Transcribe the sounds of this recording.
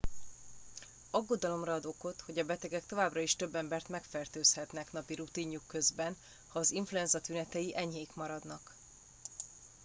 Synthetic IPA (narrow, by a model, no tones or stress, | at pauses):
ɒɡːo̞d̪ɒlo̞mrɒːd̪o̞ko̞t̪ho̞ɟɒbɛt̪ɛɡɛk̚t̪o̞vaːbrɒiʃt̪ø̞bːɛmbɛrt̪mɛkfɛrt̪øːshɛt̪nɛknɒpiɾut̪iɲːukːø̞zbɛn | hɒːziɱfluɛnzɒt̪ynɛt̪ɛjiʔɛɲheːjkmɒɾɒd̪nɒk